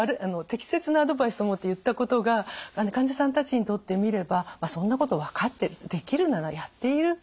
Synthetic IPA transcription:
aɾɯ̟ano̞t̪e̞kʲi̥se̞t͡sɨnaːd̪o̞baisɨomo̞t̪ːe̞jɯ̟t̪ːako̞t̪o̞ɡaanokãɲd͡ʑasãnt̪at͡ɕiɲ̟it̪o̞t̪ːe̞mʲiɾe̞bamasõ̞nːako̞t̪o̞βakat̪ːe̞ɾɯd̪e̞kʲiɾɯ̟nanajat̪ːe̞iɾɯ̟

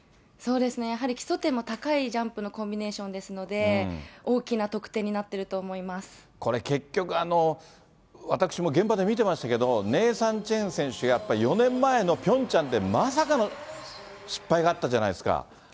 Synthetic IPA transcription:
so̞ːd̪e̞sɨne̞jaɦaɾʲikʲi̥so̞t̪e̞mo̞t̪akaid͡ʑãmpɯ̟no̞kõ̞mbʲine̞ːɕõ̞nd̪e̞sɨno̞d̪e̞o̞ːkʲinat̪o̞kɯ̟̥t̪ẽ̞ːɲ̟inat̪ːe̞ɾɯ̟t̪o̞ːmo̞imasɨ̥ | ko̞ɾe̞ke̞kʲːo̞kɯ̟ano̞ | βat̪akɯ̥ɕimo̞ɡẽ̞mpad̪e̞mʲit̪e̞maɕi̥t̪ake̞d̪o̞ne̞ːsãɲ̟t͡ɕẽ̞ɰ̃sẽ̞ɕɨɡajapːaɾʲijo̞nẽ̞mːae̞no̞pʲõ̞ɲ̟t͡ɕãnt̪e̞mas̬akano | ɕi̥pːaiɡaːt̪ːaʑanaisɨ̥ka̰

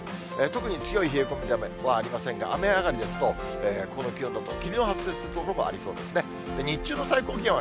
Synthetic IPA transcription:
et̪o̞kɯ̟ɲ̟it͡sɨjo̞içiːkomʲidameβaːɾʲimasẽ̞ŋɡa̰ame̞aɡaɾʲid̪e̞sɨ̥t̪o̞ | eːko̞no̞kʲiond̪ot̪okʲimʲioɦat͡sɨ̥seːsɨɾɯt̪okoɾomoʔa̰ɾʲiso̞̰ːd̪e̞sɨne̞ | d̪eɲ̟it͡ɕɨːno̞saiko̞ːkʲẽɰ̃βa

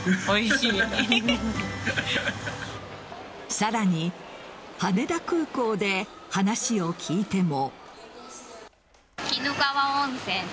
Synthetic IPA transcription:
oiɕi | saɾaɲ̟i | hane̞d̪akɯ̟ːko̞ːd̪e̞hanaɕio̞kʲʰiːt̪e̞mo | kʲinoɡaβaõñsẽn

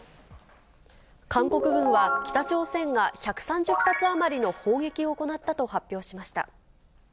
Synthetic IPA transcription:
kãŋko̞kɯ̟bɯ̟̃ɰ̃βakʲi̥t̪at͡ɕo̞ːsẽ̞ŋɡaçakɯ̟̥sãɲd͡ʑɨpːat͡sɨamaɾʲino̞ho̞ːŋɡe̞kʲio̞ːko̞nat̪ːat̪o̞hapʲjo̞ːɕimaɕi̥t̪a̰

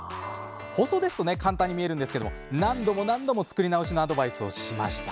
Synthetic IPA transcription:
ho̞so̞d̪e̞sɨ̥t̪one̞kãnt̪ãɲ̟ːimie̞ɾɯ̟̃nd̪esɨ̥keo̰monãnd̪o̞mo̞nãnd̪o̞mo̞t͡sɨ̥kɯ̟ɾʲinaoɕino̞ad̪o̞baisɨo̞ɕima̰ɕi̥t̪ḁ

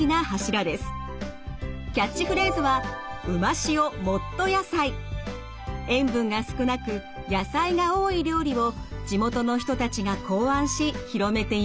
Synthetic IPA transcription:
inahaɕiɾad̪e̞sɨ̥ | kʲat͡ɕːiɸɯ̟ɾeːzɨβaɯ̟maɕio̞mo̞t̪ːo̞jasai | ẽ̞mbɯ̟̃ŋɡasɨ̥kɯ̟nakɯ̟ | jasaiɡaoːiɾʲo̞ːɾʲiβo̞d͡ʑimo̞t̪o̞no̞ç̬i̥t̪ot̪at͡ɕiɡakʰo̞ːãɰ̃ɕiçiɾo̞me̞t̪e̞i

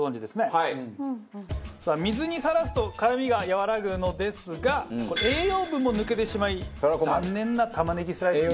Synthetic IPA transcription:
zõ̞ɲ̟d͡ʑid̪e̞sɨne̞a | saːmʲizɨɲ̟isaɾasɨ̥t̪o̞kaɾamʲiɡajaβaɾaɡɯ̟no̞d̪e̞sɨɡakoeːjo̞ːbɯ̟̃mːo̞nɯ̟ke̞t̪e̞ɕimaizanːẽ̞nːat̪amanekʲisɨɾa

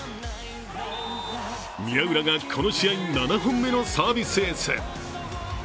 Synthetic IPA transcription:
mʲiaɯ̟ɾaɡakʰo̞noɕiainanaɦõmːe̞no̞saːbʲisɨesɨ̰

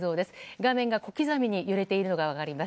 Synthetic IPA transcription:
zo̞ːd̪e̞sɨ̥ɡamẽ̞ŋɡako̞kʲizamʲiɲ̟ijɯɾe̞t̪e̞iɾɯ̟no̞ɡaβ̞akaɾʲimas

